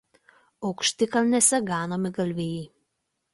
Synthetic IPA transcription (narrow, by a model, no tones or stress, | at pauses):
ɔʊkʃʲt̪ʲɪkɐlnʲɛsʲɛɡɑːnoːmʲɪɡɐlʲʋʲeːjɛ